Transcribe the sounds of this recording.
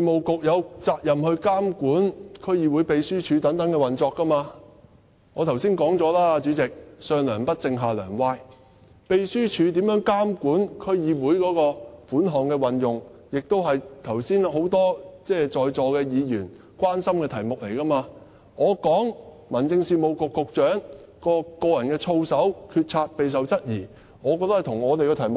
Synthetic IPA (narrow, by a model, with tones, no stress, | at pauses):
iː˨mo˨wkʊ˨k̚jɐ˨˧wt͡saː˧k̚jɐ˨mhɵ˧ɥkaː˥mkuː˨˥nkʰɵ˥ɥjiː˨˧wuː˨˧˥jpe˧jsyː˥t͡ʃʰyː˨˧t̪ɐ˨˥ŋt̪ɐ˨˥ŋkɛ˧wɐ˨˩nt͡sɔː˧kːɐ˥maː˧ | ŋɔː˨˧t̪ʰwsiː˥nkɔː˨˥ŋt͡sɔː˨˥laː˥a˧t͡ʃyː˨˥t͡sɪ˨k̚sœː˧ŋlœː˨˩npɐ˥t̚t͡sɪ˧ŋɦaː˨lœ̰ː˨˩ŋwaː˧˥j | pe˨jsyː˥t͡ʃʰyː˨˧t̪iː˨˥mjœː˨˥ŋkaː˥mkuː˨˥nkʰɵ˥ɥjiː˨˧wuː˨˥jkɔː˨˧˥kɔː˧fuː˨˥nɦɔː˨ŋkɛː˧wɐ˨njʊ˨ŋjɪ˨k̚t̪o˥whɐ˨jt̪ʰɐ˨˩wsiː˥nho˨˥wt̪ɔː˥t͡sɛː˥˩t͡sɔː˨jt͡sɔː˨˧kɛː˧jiː˨˧jyː˨˩n | kʷwaː˥nsɐ˥mkɛː˧t̪ʰɐ˨˩jmʊ˨k̚le˨˩jkɐː˥maː˧ | ŋɔː˨˧kɔː˨˥ŋmɐ˨˩nt͡sɪ˧ŋsiː˧mo˨˧wkʊ˨kːʊ˨k̚t͡ʃœː˨˥ŋkɔː˧kɔː˧jɐ˨˩nkɛː˧t͡sʰo˧wsɐ˨˥wkʰyː˧t̚t͡sʰaː˧t̚pe˨js̬ɐ˨wt͡sɐ˥t̚jiː˨˩ | ŋɔː˨˧kɔː˧t̪ɐ˥ht̪ʰʊ˨˩ŋɔː˨˧t̪e˨jkɛ˧t̪ʰɐ˨˩jmʊ˨k̚